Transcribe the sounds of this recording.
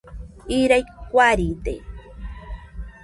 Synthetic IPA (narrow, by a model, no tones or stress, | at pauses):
iɾajkʷaɾid̪ḛ